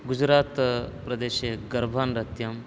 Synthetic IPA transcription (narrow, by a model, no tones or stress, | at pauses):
ɡud͡ʒɾaːt̪pɾɐd̪eːʃeɡɐɾbʱaːnɾɐt̪jɐm